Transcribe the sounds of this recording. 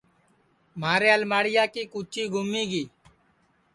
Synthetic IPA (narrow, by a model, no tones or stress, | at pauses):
maːɾeːalmaːɽɪjaːkiːkuːt͡ʃiːɡʱʊmːiːɡiː